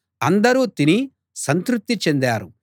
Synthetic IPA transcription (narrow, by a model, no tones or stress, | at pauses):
ɐnd̪ɐɾuːt̪ini | sɐnt̪ɾup̚t̪ːit͡ʃe̞nd̪aːɾu